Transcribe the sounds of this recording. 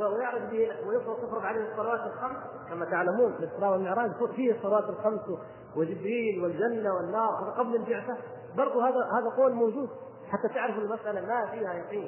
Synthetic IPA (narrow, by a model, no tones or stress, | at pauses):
awjɪʕɾɑfbiːnawɪjɪfɾɑjɪfɾˤɑɡʕaleːhsˤːɑlawaːt̪alxams | kamat̪aʕlamuːnlɪt̪ːɨɾɑːwalmɪʕɾˤɑːd̪ffiːhɪsˤːɑlawaːt̪alxams | wɪld͡ʒɪbɾiːlwɪld͡ʒanːawɪnːɑːɾˤhaːd̪aqɑblalbɪʕt̪a | bɑɾˤd̪ˤuhaːd̪ahaːðaqoːlmoːd͡ʒuːd̪̚ | ħat̪ːat̪ɪʕɾɪfɪlmasʔalamafiːhajɑq̪ˤiːn